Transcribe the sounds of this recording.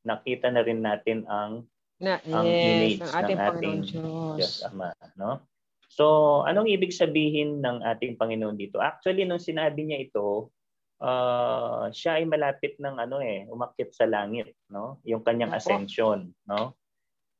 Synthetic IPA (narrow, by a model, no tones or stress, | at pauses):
nɐkiːt̪ɐnɐɾɪnːaːt̪ɪnɐŋ | ɐimedsnɐŋʔaːt̪ɪŋɡɐsɐmano̞ | so̞ʔɐ̰noɐŋʔiːbɪɡsɐbiːɦɪnːɐŋʔaːt̪ɪŋpɐŋɪnoʔond̪iːt̪o̞̰ʔak̚t͡ʃ̪ʊɐlinʊŋsɪnaːbɪɲaʔɪt̪o̞ | ʔaː | ʃaʔɐjmɐlaːpɪt̪̚nɐŋʔɐno̞ʔɛʔʊmɐkɪt̪̚sɐlaːŋɪt̪̚no̞jʊŋkɐɲːaŋʔɐ̰sɛnʃo̞nːo